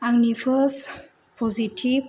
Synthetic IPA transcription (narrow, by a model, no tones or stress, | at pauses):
aŋnipʰəs | pʰɔzitʰib